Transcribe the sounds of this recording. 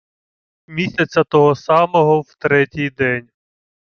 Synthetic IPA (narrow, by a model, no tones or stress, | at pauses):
mʲisʲɐt͡sʲɐt̪ɔɦɔsɑmɔɦɔwt̪ɾɛtʲijd̪ɛnʲ